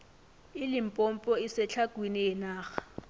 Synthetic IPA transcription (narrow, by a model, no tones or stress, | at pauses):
ɪlɪm̩pʼom̩pʼɔɪsɪt͡ɬʰakʼwinɪɪnaːɣḁ